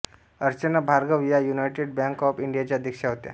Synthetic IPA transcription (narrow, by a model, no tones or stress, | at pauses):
əɾt͡ɕənabʱaɾɡəʋjajunajʈeɖ̚bãŋkɔpiɳɖijat͡ɕjaəd̪ʱikʂaɦot̪ja̰